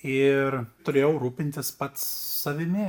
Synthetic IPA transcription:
ɪrt̪ʊɾʲeːjɛʊɾuːpʲɪnʲt̪ʲɪspɐt̪ssɐʋʲɪmʲɪ

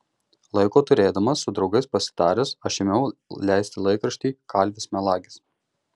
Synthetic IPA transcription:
lˠɐɪkoːt̪ʊɾʲeːd̪ɐmɐsːʊd̪ɾɒʊɡɐɪspɐsʲɪ̥t̪ɑːɾʲesɐʃʲɪmʲɛʊlʲæˑɪsʲt̪ʲɪlˠɐɪkɾɐʃʲt̪ʲiːkɑˑlʲʋʲɪsmʲɛlˠɑːɡʲɪs

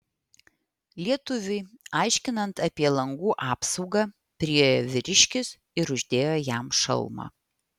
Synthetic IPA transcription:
lʲiɛt̪ʊʋʲɪɪɑˑɪʃʲkʲɪnɐnt̪ɐpʲiɛlˠɐŋɡuːʔɑːpsɔʊɡɑ | pʲɾʲɪjɛjoʋʲɪɾʲɪʃʲkʲɪs | ɪɾʊʒʲd̪ʲeːjojæmʃɐ̰lˠmɑ̰ː

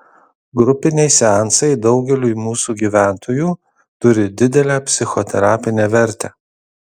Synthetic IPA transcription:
ɡɾʊpʲɪnʲɛɪsʲɛɑnsɐɪd̪ɒʊɡʲɛlʲuːimuːsuɡʲiːʋʲæˑnt̪ʰoːjuː | t̪ʊɾʲɪd̪ʲɪd̪ʲɛlʲæːpʲsʲɪxot̪ʲɛɾɑːpʲɪnʲeːʋʲɛɾʲˑt̪ʲæː

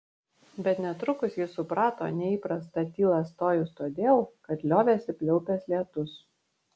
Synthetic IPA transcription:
bʲɛt̪nʲɛt̪ɾʊkʊsjɪsʊpɾɑːt̪o̰ːnʲɛiːpɾɐst̪ɐt̪ʲiːlˠɐst̪oːjʊst̪oːd̪ʲeːlˠkɐt̪lʲoːʋʲeːsʲɪpʲlʲɛʊpʲeːslʲiɛt̪ʊs

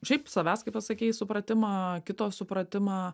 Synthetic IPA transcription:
ʃʲɛɪpsɐʋʲæːskɐɪpɐsɐkʲɛɪjsʊpɾɐt̪ʲɪmɑːkʲɪt̪oːsʊpɾɐt̪ʲɪmɑː

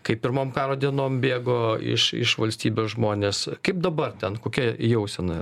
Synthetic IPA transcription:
kɐɪpʲɪɾmoːmkɑːɾoːd̪ʲiɛnoːmbʲeːɡoːɪ̰ʃɪ̰ʃʋɐlʲsʲt̪ʲiːbʲoːsʒmoːnʲeːskɐɪp̚d̪ɐbɐrt̪ʲɛnkoːkʲɛjɛʊsʲɛnɐ

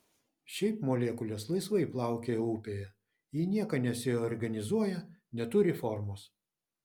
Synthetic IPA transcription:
ʃʲɛɪpmoːlʲeːkʊlʲeːslˠɐɪsʋɐɪplˠɑˑʊkʲeuːpʲejɛ | jiːnʲiɛkɐnʲɛsʲɪɔːɾʲɡɐnʲɪzuɔjɛnʲɛt̪ʊɾʲɪfɔɾmoːs

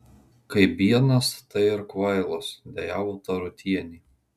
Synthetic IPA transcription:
kɐɪbʲiɛnɐst̪ɐɪɪɾkʋɐɪlˠosd̪ʲɛjaːʋoːt̪ɐɾʊt̪ʲiɛnʲiː

